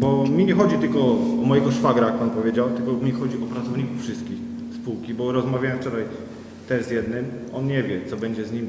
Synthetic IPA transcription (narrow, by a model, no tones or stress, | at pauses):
bɔmʲiɲɛxɔd͡ʑit̪ɘlkɔɔmɔjɛɡɔʂfaɡɾajak̚panpɔvʲjed͡ʑawt̪ɘlkɔmʲixɔd͡ʑiɔpɾat̪ɔvɲikufʂɘst̪̚kʲix | spuwkʲibɔɾɔzmavʲajɛ̃mft͡ʂɔɾaj | t̪ɛzjɛd̪nɘmɔnɲɛvʲjɛt̪sɔbɛɲd͡ʑɛzɲim